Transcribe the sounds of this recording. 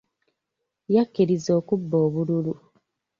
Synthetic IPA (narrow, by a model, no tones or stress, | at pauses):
jakːiɾizo̞ːkubːoːβululu